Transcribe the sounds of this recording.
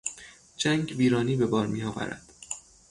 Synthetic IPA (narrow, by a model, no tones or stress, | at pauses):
d͡ʒæŋɡviːɾɒːniːbe̞bɒːɾmiːjɒːvæ̰ɾæ̰d̪̥